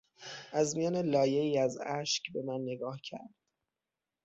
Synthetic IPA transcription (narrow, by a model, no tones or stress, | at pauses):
ʔæzmijɒːne̞lɒːje̞iːæzæʃcbe̞mænːe̞ɡɒːhcʰæ̰ɾd̪̥